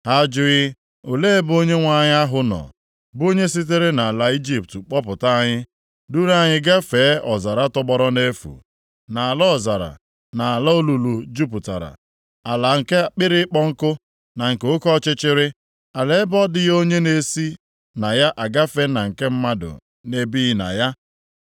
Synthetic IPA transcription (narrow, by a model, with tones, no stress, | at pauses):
a˦d͡ʒʊ˦ɣɪ˦ | ʊ˨le˦e˦bo˦ɲe˦ŋʷa˦ɲ˦a˦ɦʊ˨nɔ̰˨ | bʊ˦o˦ɲe˦s̬i˦t̬e˦ɾe˦na˨a˨la˨i˦d͡ʒi˦p̚tk͡pɔ˦pʊ˨ta˦a˦ɲɪ˦ | du˦ɾa˦˨ɲɪ˦ɡa˦feː˨˦ɔ˨za˨ɾa˦tɔ˦ɡ͡bɔ˦ɾɔ˦ne˦fṵ˨ | na˨a˨lɔ˦ɔ˨za˨ɾa̰˨ | na˨a˨la˦o˦lu˨lu˨d͡ʒu˦p̬u˨ta̰˨ɾa̰˨ | a˨la˨ŋ̩˨ke˦a˨k͡pɪ˦ɾɪ˦k͡pɔ˦ŋ̩˦kʊ˦ | na˨ŋ̩˨ke˨˦ʊ˦kɔ˦t͡ʃɪ˦t͡ʃɪ˦ɾɪ˦ | a˨le˨ɪ˦bɔ˦dɪ˦jo˦ɲe˦ne˨si˦ | na˨ja˦ʔa˨ɡa˦fe˦na˨ŋ̩˨ke˦m̩˦ma˦dʊ̰˨ | ne˦bi˦ɪ˨na̰˨ja˦